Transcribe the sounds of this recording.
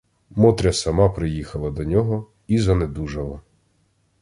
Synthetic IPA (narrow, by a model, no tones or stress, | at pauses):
mɔt̪ɾʲɐsɐmɑpɾɪjixɐlˠɐd̪ɔnʲɔɦɔ | izɐned̪uʒɐlˠɐ